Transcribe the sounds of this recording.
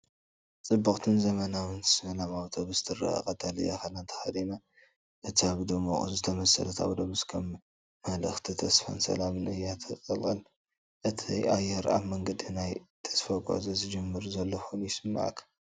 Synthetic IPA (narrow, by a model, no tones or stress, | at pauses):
t͡sʼɨbːɨkʼt̪ʰɨnzɐmɐnawɨnsɐlamawt̪ʰobɨzɨt̪ʰɨra̰kʼɐt̪ʼalɨja̰xɐlant̪ʰɐ̥xɐd̪ina | ʔɨt̪ʰiaβd̪omoχʼṵzɨt̪ʰɐmɐsɐ̰lɐt̪ʰa̰wd̪oβɨskʰɐmː | ɐlɨ̰xt̪ʰit̪ʰɐsfa̰nsɐ̰lamɨnɨjat̪ʰɐkʼɐlkʼɨl | ʔɨt̪ʰiʔajːɛɾa̰βmɐŋɡɐd̪inajt̪ʰɐ̥sfaɡʷʼo̰zozɨd͡ʒɨmːɨɾuzɐlːoxunjɪsɨmːa̰ʕ̰kʰɐ̥